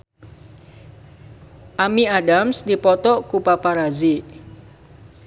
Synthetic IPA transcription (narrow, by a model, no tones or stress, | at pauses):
ʔamiadamsdipɔt̪ɔkupapaɾazi